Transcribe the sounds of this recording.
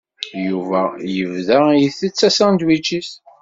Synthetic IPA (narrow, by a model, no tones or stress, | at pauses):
juvæjəvðæjiθət͡sːæsæ̃nd̪wit͡ʃːis